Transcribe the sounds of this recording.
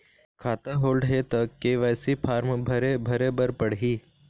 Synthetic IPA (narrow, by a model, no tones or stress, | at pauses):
kʰaːt̪ãɦoːlɖɦet̪ɐkkːeʋɛːsipʰaːɾmbʱɐɾebʱɐɾebəɾpəɽ̤ɦiː